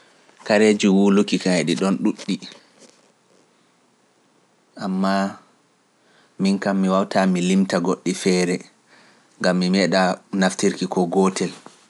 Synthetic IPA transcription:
kaɾed͡ʒuwulukːikaɛɗiɗɔnɗuɗːi | ʔamːa | minkamːiwawtamilimtaɡoɗːifɛːɾɛ | ŋɡamːimɛɗanaftiɾkikɔɡɔtɛl

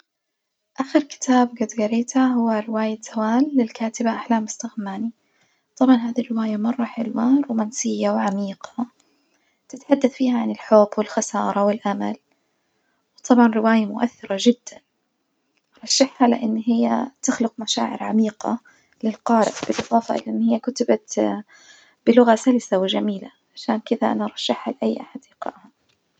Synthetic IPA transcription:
ʔaxɪɾkɪ̥t̪ʰaːbɡad̪ɡaɾeːt̪ʰaɦʊwːaɾɪwaːjaz̥awaːlːɪlkaːt̪ɪbaʔaħlaːmʊst̪aɣmaːni | t̪ˤɑbʕɑnɦaːðirːɪwaːjamɑrˤːɑħɪlwanruːmaːnsɪjːawʕamiːqɑ̥ | t̪ɪt̪ħad̪ːaθfiːhaʕanɪlħʊbːwɪlxɑsɑ̰ːɾˤɑwɪlʔama̰l | wt̪ˤɑbʕɑnɾɪwaːjamʊʔaθːɪɾˤɑʒɪd̪ːan | ʔɾˤɑʃːɪħhala̰ʔɪnːɦɪjːat̪ɪxlʊq̚maʃa̰ːʕɪ̰ɾʕamiːqɑ̰ | lɪlqɑːɾɪ̰ʔb̥ɪlʔɨðˤɑːfɑʔɪ̰lːʔɪnːhɪjːakʊt̪ɪbat̪ | b̥ɪlʊɣasalɪsawɪʒamiːlaʕaʃaːnkɪd̪aʔa̰naʔɑɾˤɑʃːɪħhalɪʔajːʔaħad̪ɪqɑ̰ːʔha

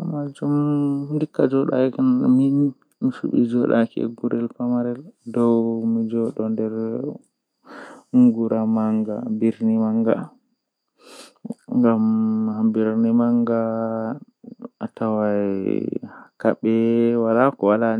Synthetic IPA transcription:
mad͡ʒumdikːad͡ʒɔɗa̰knmii | misṵɓḭd͡ʒɔɗakɛ̰ɡuɾɛlpamaɾɛldɔwmid͡ʒɔɗɔndɛɾ | ŋɡuɾʔamaŋɡa̰biɾnimaŋɡa̰ | ŋɡamhambiɾnimaŋɡa | atawaḭakaɓɛwalakɔwalan

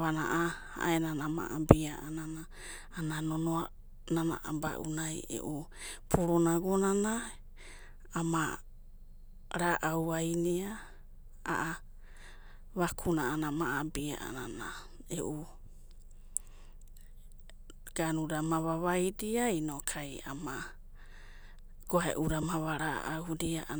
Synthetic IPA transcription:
βana̰ʔa | a̰ʔenanama̰ʔabiaʔananaː | nanonoa | nana̰ʔaba̰ʔṵnajḛʔu | pʰuɾonaɡonana | ma | ɾaʔawajnia | a̰ʔa | βakʰunaːnamaabia̰ʔa̰nana | eʔu | ɡ̥anudamaβaβajdiainokʰaja̰ma | ɡ̥oaḛʔuɾamaβaɾaʔawdiaʔ

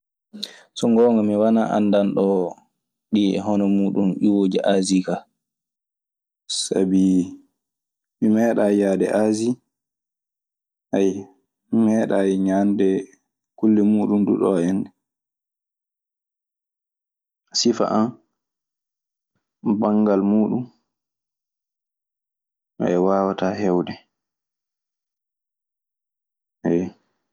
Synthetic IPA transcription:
sɔŋɡɔːŋɡɔmiwanaʔa̰ndanɗɔ | ɗiɛ̰ɦɔnɔmuːɗunɗiwoːd͡ʒiʔazika | sa̰bi | mimɛːɗajaːdɛ̰ʔazi | ʔaj | mɛːɗajɲandɛ | kulːimuːɗumdṵɗɔɛndɛ | sifa̰ʔan | baŋɡalmuːɗum | ʔɔ̰ɛwawatahɛwɗɛ | ʔɛ

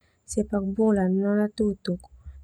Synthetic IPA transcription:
sepak̚bolannɔnatutuk

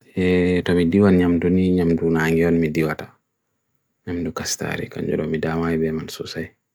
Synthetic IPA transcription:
ɛtɔmidiwanɲamduniɲamdunaːŋɡiɔnmidiwatḁ | ɲamdukasta̰ɾḭka̰ɲd͡ʒṵdɔmidaːmajibɛmansusaj

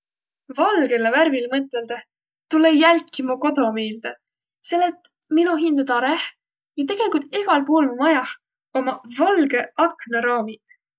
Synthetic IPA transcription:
vɑlɡ̥e̞leværvilmɤt̪ˑːe̞ld̪̥ɑ | t̪ulejælkːimuko̞d̪o̞meːld̪̥e | se̞lːet̪ːˑ | minuɦind̪̥ɑt̪ɑɾeh | jɑt̪e̞ɡ̥e̞likult̪eɡ̥ɑlpoːlmumɑjɑh | o̞mɑvɑlɡe̞ʔɑknɑɾɑːmi

